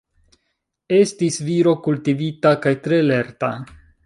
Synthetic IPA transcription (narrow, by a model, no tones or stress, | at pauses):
e̞stisviɾo̞kultivitakajt̪ɾe̞le̞ɾta